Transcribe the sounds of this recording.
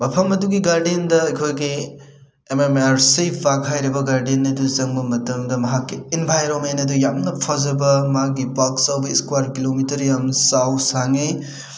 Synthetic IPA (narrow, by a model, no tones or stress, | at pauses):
mɐpʰɐmɐduɡiɡaɾdendɐɐjkʰojɡi | ememaɾsibakɦajɾɐbɐɡaɾdenɐduzɐŋbɐmɐtɐmdɐmɐɦakːiinbʱajɾomenɐdujamnɐpʰazɐbɐmaɡibaksawbɐiskwaɾkilomitɐɾjamsawsaŋej